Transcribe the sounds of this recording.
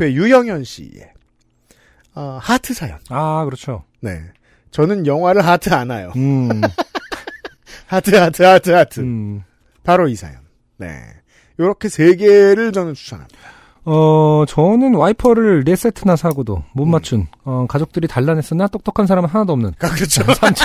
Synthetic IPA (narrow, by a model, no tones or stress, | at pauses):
pʰejujʌŋjʌnɕ͈ḭḛ | ʌhatʰɯsʰajʌ̰nakɯɾʌt͡ɕʰo | ne̞̰ | t͡ɕʌnɯnjʌŋɦwaɾɯɭɦatʰɯanajo̰ɯ | hatʰɯhatʰɯatʰɯatʰɯ | paɾoisʰa̰jʌ̰nː | e̞̰ | joɾʌkʰe̞sʰe̞ɡeɾɯɭt͡ɕʌnɯnt͡ɕʰu̥sʰa̰nɦa̰m | ʌt͡ɕʌnɯnwaipʰʌɾɯɭɾe̞s͈etʰɯnasʰaɡodo̰mummːat͡ɕʰunʌkad͡ʑok̚t͈ɯɾitaɭːane̞s͈ɯnat͈ok̚t͈okʰans̬ʰaɾamɯnɦanadoʌmnɯnkakɯɾʌt͡ɕʰsat͡ɕʰ